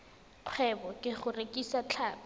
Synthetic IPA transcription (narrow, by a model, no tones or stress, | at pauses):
q͡χʰwɛbɔkʼɪχʊrekʼisat͡ɬʰaːtʊ